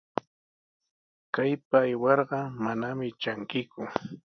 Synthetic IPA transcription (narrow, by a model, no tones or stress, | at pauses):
kajpaːjwɑɾɢɑmanamɪt͡ʃaŋkɪkʊ